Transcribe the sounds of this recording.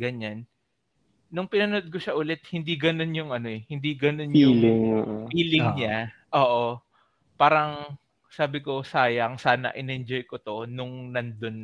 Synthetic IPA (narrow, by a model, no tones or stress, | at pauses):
ɡɐɲanː | ʊŋpɪnɐnod̪̚koʃaʔʊlɛt̪̚hɪnd̪iɡɐno̞njʊŋʔɐno̞ʔɛhɪnd̪iɡɐno̞njʊlɪŋoːʔopiːlɪŋɲaʔoːʔo̞ | paːɾɐŋ | saːbɪko̞saːjɐŋsaːnɐ̰ʔɪnɛnd͡ʒo̞jkot̪o̞nʊŋnɐnd̪on